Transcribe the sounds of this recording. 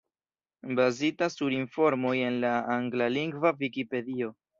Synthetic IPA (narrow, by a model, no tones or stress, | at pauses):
bazitasːuɾinfo̞ɾmo̞je̞nlaaŋɡlaliŋɡvavikipe̞dio̞